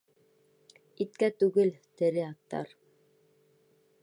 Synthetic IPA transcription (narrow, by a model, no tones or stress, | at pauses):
it̪kæt̪ʉɡɘlt̪ɘ̆ɾɘɑt̪ːɑ̰ɾ